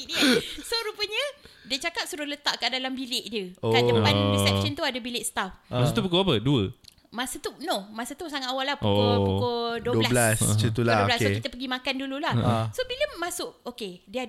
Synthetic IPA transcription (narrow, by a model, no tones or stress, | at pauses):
inisoɾupəɲədiət͡ʃakap̚suɾʊlət̪aʔkaʔdalambileʔdjəoaəbansɛʃənt̪uadəbileʔsə̥t̪afmassʊt̪upukoapəduə | mãsət̪unɔmasət̪usaŋat̪awalːahpkpukoduəəlasblast͡ʃət̪uldablaskekit̪əpəɡimakandululahsobiləmasʊʔokediəa